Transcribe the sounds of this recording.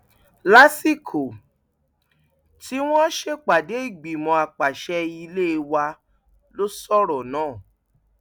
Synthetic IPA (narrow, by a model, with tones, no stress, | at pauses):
la˦si˦kʰo˨ | ti˦w̃ɔ̃˦ʃe˦k͡pa˨de˨˦i˦˨ɡ͡bi˨mɔ̃˧a˨k͡pa˨ʃɛ˧i˦˧le˦˧wa˧ | lo˦sɔ˦ɾɔ˨nãː˦˨